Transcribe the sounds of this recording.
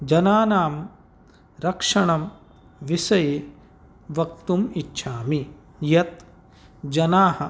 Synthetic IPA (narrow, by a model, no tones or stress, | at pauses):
d͡ʒɐnaːnaːm | ɾɐkʂɐɳɐm | ʋisɐje | ʋɐk̚t̪umitːʃʰaːmi | jɐt̪ | d͡ʒɐnaːhɐ